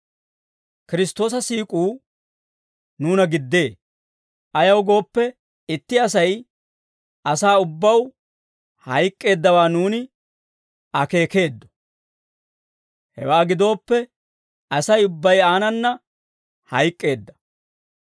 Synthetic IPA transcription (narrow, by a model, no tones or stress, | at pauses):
kɪɾɪst̪o̞ːs̬ɐsiːkʼuː | nuːnɐɡɪd̪ːe̞ː | ʔɐjɐwɡo̞ːpːɛ | ɪt̪ːɪɐs̬ɐj | ɐsaːʊbːɐw | hɐjkʼːe̞ːd̪ːɐwaːnuːnɪ | ɐke̞ːke̞ːd̪ːɔ̥ | hɛ̰waːɡɪd̪o̞ːpːɛ | ɐsɐjʊbːɐjaːnɐnːɐ | hɐjkʼːe̞ːd̪ːɐ̥